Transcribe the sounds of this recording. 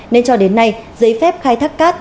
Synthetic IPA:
ne˧nt͡ɕɔ˧ɗe˨˦nːa˧jzə˨˦jfɛ˦˥p̚xaː˧jt̪ʰa˦˥kkaː˦˥t̚

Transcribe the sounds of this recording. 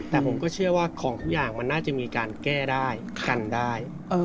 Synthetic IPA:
tt̪ɛː˨˩pʰo˩˦mkɔː˥˩t͡ɕʰɯ˥˩ɐwaː˥˩kʰɔː˩˦ŋt̪ʰu˦˥k̚jaː˨˩ŋma˧nːaː˥˩t͡ɕa˨˩miː˧kaː˧nkɛː˥˩daː˥˩j | ka˧ndaː˥˩j | ʔɤː˧

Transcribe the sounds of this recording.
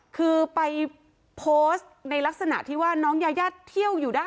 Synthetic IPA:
kʰɯː˧pa˧j | pʰoː˦˥st̪̚na˧jla˦˥k̚sa˧na̰˨˩ʔt̪ʰiː˥˩waː˥˩nɔː˦˥ŋjaː˧jaː˥˩t̪ʰːi˥˩əwjuː˨˩daː˥˩

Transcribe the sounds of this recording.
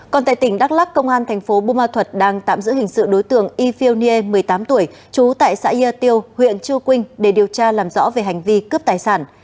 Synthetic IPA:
kɔ˨˩nt̪a̰ː˧˨jt̪ï˧˩ŋɗa˦˥k̚laː˦˥kːə˧wŋ͡mʔaː˧nt̪ʰɛ˨˩jŋ̟fo˨˦ɓu˧maː˧t̪ʰwə˨˩t̚ɗaː˧ŋt̪a̰ː˧˨mzɨ̰˧˥hï˨˩ŋ̟sɨ̰˧˨ɗo˨˦jt̪ɨ̰˧˨əŋʔi˧fi˧wni˧e˧mɨ˨˩əjt̪aː˨˦mt̪u˧˩əj | t͡ɕu˨˦t̪a̰ː˧˨jsa̰ː˧˥i˧aː˧t̪i˧əwhwḭ˧˨ənt͡ɕɨ˧əwkwï˧ŋ̟ɗe˧˩ɗi˨˩əwt͡ɕaː˧laː˨˩mzɔ̰˧˥ve˨˩ɦa˨˩jŋ̟vi˧kə˦˥p̚t̪aː˨˩jsaː˧˩n

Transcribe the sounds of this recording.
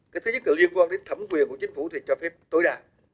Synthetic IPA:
kaː˨˦jt̪ʰɨ˨˦ɲə˦˥t̚ləː˨˩li˧ənkwaː˧nɗe˨˦nt̪ʰə˧˩mkwi˨˩ənku˧˩ət͡ɕï˨˦ŋ̟fṵ˧˩t̪ʰi˨˩t͡ɕɔ˧fɛ˦˥p̚t̪o˨˦jɗaː˨˩

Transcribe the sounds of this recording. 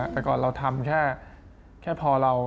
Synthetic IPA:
t̪ɛː˨˩kɔː˨˩nɾa˧wt̪ʰa˧mkʰɛː˥˩ | kʰɛː˥˩pʰɔː˧ɾa˧w

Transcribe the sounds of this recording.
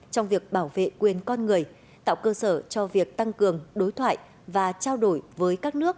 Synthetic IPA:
t͡ɕɔ˧wŋ͡mvi˨˩ək̚ɓaː˧˩wvḛ˧˨kwi˨˩ənkɔ˧nŋɨ˨˩əj | t̪a̰ː˧˨wkəː˧səː˧˩t͡ɕɔ˧vi˨˩ək̚t̪a˧ŋkɨ˨˩əŋɗo˨˦jt̪ʰwa̰ː˧˨j | vaː˨˩t͡ɕaː˧wɗo˧˩jvəː˨˦jkaː˦˥k̚nɨ˦˥ək̚

